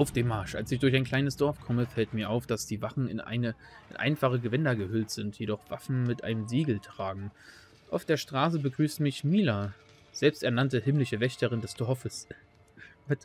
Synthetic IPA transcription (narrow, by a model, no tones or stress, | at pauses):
ʔaʊfd̥eːmːaɐʃʔa̰lsɪçd̥ʊɐç̬aɪnkʰl̥aɪnəsd̥ɔɐfkʰɔməfɛltmiːɐʔaʊfd̥asd̥iːvaχn̩ɪ̰nʔa̰ɪnə | ɪnʔa̰ɪnfaχəɡəvɛndɐɡəhʏltz̥ɪntʰjedɔχv̥afn̩mɪtʔa̰ɪnəmziːɡl̩tʁ̥aːɡŋ̩ | ʔaʊfd̥eːɐʃtʁ̥aːs̬əbəɡʁyːstmɪçmiːla | z̥ɛlpstɛɐnantəhɪmlɪçəvɛçtəʁ̞ɪndɛstʰɔɔfəs